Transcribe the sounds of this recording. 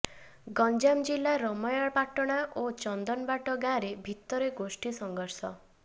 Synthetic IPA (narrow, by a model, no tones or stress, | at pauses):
ɡɔnd͡ʒamd͡ʒilːaɾɔmɔjaɭpaʈɔɽ̃aʔot͡ʃɔnd̪ɔnbaʈɔɡaɾebʱit̪ɔɾeɡosʈisɔŋɡɔɾsɔ